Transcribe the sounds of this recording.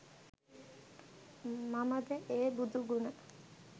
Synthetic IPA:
maməd̪əʔeːbud̪uɡunə

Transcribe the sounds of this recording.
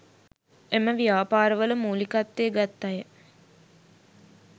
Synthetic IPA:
eməʋijaːpaːɾəʋələmuːlikat̪ːeːɡat̪ːajə

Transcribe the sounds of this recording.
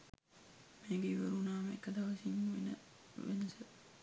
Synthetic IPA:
meːɡeʋeɾunaːmekːəd̪aʋɐsiɲːuʋḛnə̰ | ʋḛnəsə

